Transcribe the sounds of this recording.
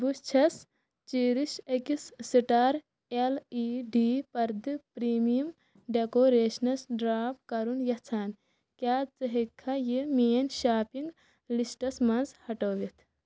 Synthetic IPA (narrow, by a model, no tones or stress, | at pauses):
bust͡ʃʰɐs | t͡ʃiːɾiʃɐkisːiʈaːɾ | eliːɖiːpɐɾd̪ɨpɾiːmijum | ɖekoːɾeːʃnɐsɖɾaːpkɐɾunjɐht͡sʰaːn | kʲaːt͡sɨɦekʰːɐjimiːnʃaːpiŋɡ | lisʈɐsmɐnzhɐʈoːʋit̪ʰ